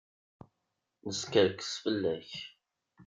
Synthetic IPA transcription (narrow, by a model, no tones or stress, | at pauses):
nəskəɾkə̥sfəlːæç